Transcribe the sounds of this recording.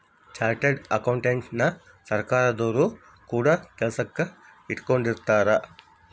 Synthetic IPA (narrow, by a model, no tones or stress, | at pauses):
t͡ʃaːɾʈeɖɐkɐwɳʈent͡ʃnɐ | sɐɾkaːɾɐd̪oːɾu | kuːɽaːkɛlɐsɐkːɐ | iʈkoɳɖiɾt̪aːɾɐ